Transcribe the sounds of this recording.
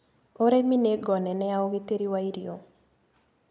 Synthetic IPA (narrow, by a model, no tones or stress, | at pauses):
oɾemineɡɔnɛnɛaoɡit̪eɾiwaiɾjo